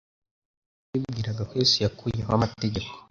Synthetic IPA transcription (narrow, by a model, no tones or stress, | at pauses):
ibɡiːɾaɡakwesijakujeɦoamate̞ɟe̞ko